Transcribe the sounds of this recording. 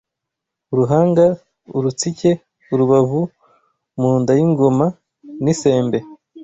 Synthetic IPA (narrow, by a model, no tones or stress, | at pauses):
uɾuɦaːŋɡa | uɾut͡sice̞ | uɾuβavu | muːndajiŋɡo̞ma | nise̞ːmbe̞